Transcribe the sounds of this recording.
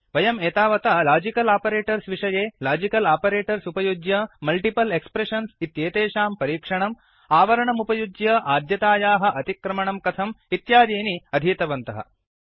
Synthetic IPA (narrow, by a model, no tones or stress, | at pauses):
ʋɐjɐmeːt̪aːʋɐt̪ɐlaːd͡ʒikɐlaːpɐɾeːʈɐɾsʋiʂɐjeːlaːd͡ʒikɐlaːpɐɾeːʈɐɾsupɐjud̪jɐmɐlʈipɐlekspɾeʂɐnsit̪jeːt̪eːʃaːmpɐɾiːkʂɐɳɐm | aːʋɐɾɐɳɐmupɐjud̪jɐʔaːd̪jɐt̪aːjaːɦɐ̆ʔɐt̪ikɾɐmɐɳɐmkɐt̪ʰɐmit̪jaːd̪iːniɐd̪ʱiːt̪ɐʋɐnt̪ɐɦɐ̰